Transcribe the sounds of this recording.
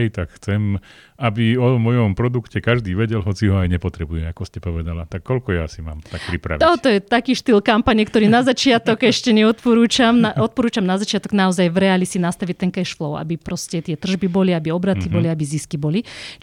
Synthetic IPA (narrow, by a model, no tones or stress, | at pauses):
ɛjt̪akxt͡sɛm | abiɔmɔjɔmpɾɔd̪ukcɛkaʒd̪iːʋɛɟɛlɦɔt͡siɦɔajɲɛpɔt̪ɾɛbujɛakɔscɛpɔʋɛd̪alat̪akːɔlkɔjasima̰ːmt̪ak̚pɾipɾa̰ʋiɔt̪ɔjɛt̪akiːʃt̪ilkampaɲɛkt̪ɔɾiːnazat͡ʃɪat̪ɔɡɛʃcɛɲɛɔt̪pɔɾuːt͡ʃamnaʔɔt̪̚pɔɾuːt͡ʃamnazat͡ʃɪat̪ɔɡnaɔzajʋɾɛaːlisinast̪aʋict̪ɛŋkɛʃflɔʊa̰bipɾɔscɛt̪ɪɛt̪r̩ʒbibɔliabiɔbɾat̪ibɔliabiziskibɔli